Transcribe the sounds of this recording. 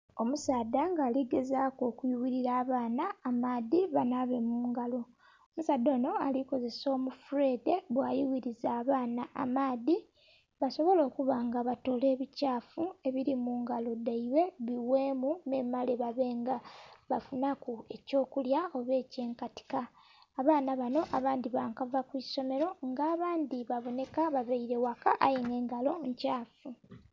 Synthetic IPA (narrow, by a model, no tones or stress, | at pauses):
o̞musaːdːaŋɡaːliɡe̞zaːko̞ːkujuwiɾiɾaːβaːnaːmaːðiβanaβe̞muːŋɡalo̞ | omusaːd̪o̞ːno̞aliko̞ze̞so̞ːmufuɾe̞ːde̞βwaːjiwiɾizaːβaːnaʔa̰maːði | βaso̞βo̞lo̞ːkuβaŋɡaβato̞le̞ːβicaːfue̞βiɾimuːŋɡalo̞daiwe̞βiwe̞ːmune̞ːmaleβaβe̞ːŋɡaβafunakue̞co̞ːkuljao̞βe̞ːce̞ːŋkati̥kaː | βaːnaβano̞ʔaβaːnd̪iβaːŋkavakwiso̞me̞ɾo̞ŋɡaːβaːnd̪iβaβo̞ne̞kaβaveiɾe̞wakaʔajiŋe̞ːŋɡalo̞ɲcaːfu